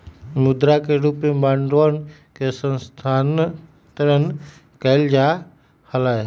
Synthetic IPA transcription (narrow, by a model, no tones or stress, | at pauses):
mʊd̪ɾakeɾupemãːɳɖoən | kʰesə̃nst̪ʰaːn | t̪əɾən | kəɪld͡ʒa | həlaːe